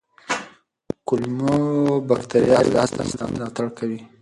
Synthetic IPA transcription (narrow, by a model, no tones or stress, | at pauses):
kʊlmobakt̪aɾijɑɾ̰lɑst̪a̰sd̪ɑ̰mlɑt̪aɽkawi